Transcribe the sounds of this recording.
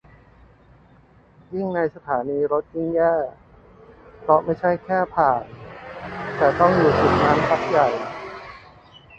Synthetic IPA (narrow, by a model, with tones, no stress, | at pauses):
ji˥˩ŋna˧jsa˧t̪ʰaː˩˦niː˧ɾo˦˥t̪̚ji˥˩ŋjaː˥˩ | pʰɾɔ˦˥ma˥˩jt͡ɕʰa˥˩jkʰɛː˥˩pʰaː˨˩n | t̪ɛː˨˩t̪ɔ˥˩ŋjuː˨˩su˨˩t̪̚naː˦˥mpʰa˦˥k̚ja˨˩j